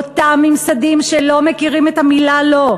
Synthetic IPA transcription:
ot̪amimsad̪imʃelo̞mekiʁimet̪amilalo̞

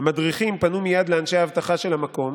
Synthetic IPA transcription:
amad̪ʁiχimpanumijad̪leanʃejahːvt̪aχaʃe̞lhamako̞m

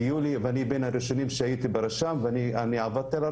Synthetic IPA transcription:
julivanibenhaɾiʃonimʃehajit̪ibeɾaʃamvanianiʕavadt̪ala

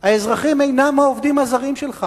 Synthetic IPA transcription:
haezʁaχime̞jnamoovd̪imazaʁimʃelχa

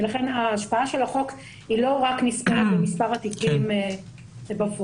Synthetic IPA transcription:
velaχenaːʃpaaʃelaχo̞k | ilo̞ʁaknispabemispaʁat̪ikime | ebafo

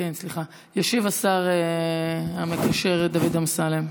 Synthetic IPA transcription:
kensliχa | jaʃivasaʁe | ame̞kaʃe̞ʁd̪avid̪amsalem

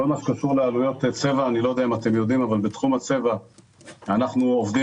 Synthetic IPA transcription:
olmaʃkaʃuʁlealujo̞t̪t͡se̞vaːnilo̞jd̪eamaːt̪e̞mjo̞d̪imavalbet̪χumat͡se̞va | anaχnuovd̪i

